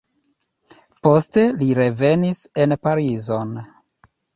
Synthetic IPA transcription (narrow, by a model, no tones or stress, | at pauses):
po̞ste̞liɾe̞ve̞nise̞npaɾizo̞n